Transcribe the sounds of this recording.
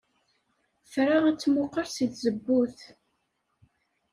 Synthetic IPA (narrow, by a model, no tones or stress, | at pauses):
θɾaæt͡sːmʊqːəɾsiθzəbːuθ